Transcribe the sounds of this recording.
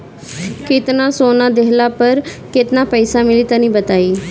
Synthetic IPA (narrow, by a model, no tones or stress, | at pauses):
kɪt̪nãsoːnad̪eɦlapəɾkɪt̪napəjsamɪlit̪ənĩbət̪aːiː